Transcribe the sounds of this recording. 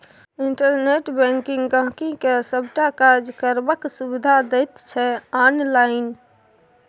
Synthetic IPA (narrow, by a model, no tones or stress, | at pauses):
iɳʈəɾneʈbɛ̃ŋkiŋɡɡə̃ɦkĩkesəbʈakaɾd͡ʒkəɾbəksubid̪ʱad̪ɛjt̪t͡ʃʰɛanlaɪn